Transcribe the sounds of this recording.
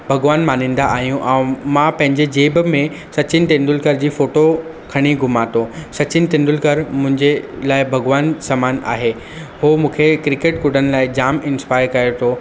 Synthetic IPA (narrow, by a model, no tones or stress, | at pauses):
bʱɐɡʋaːnmaːnĩːn̆d̪aʔaːɦijũʔɛ̃ːmãpɐ̃ɦɪ̃ɲd͡ʑed͡ʑeːbmẽ | sɐt͡ɕɪnɪ̆t̪ẽnd̪ʊlkəɾd͡ʑiːfoːʈo | kʰɐɽ̃iɡʱʊmaːt̪osɐt͡ɕɪnɪt̪ẽːnd̪ʊlkəɾmʊ̃ɦɪ̃ɲd͡ʑelaːɪbʱɐɡʋaːnsamaːna̰ːɦeː | hoːmũːkʰekɾɪkeːʈkʊɖ̤ʱənɪ̆laːɪd͡ʑaːmɪ̃nspaːɪɾkɐjot̪ʰo